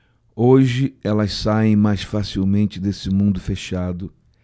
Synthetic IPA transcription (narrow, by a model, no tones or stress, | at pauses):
oʒɪɛlɐssaẽj̃majsfasiwmẽnt͡ʃɪd̪esɪmũnd̪ʊfeʃad̪ʊ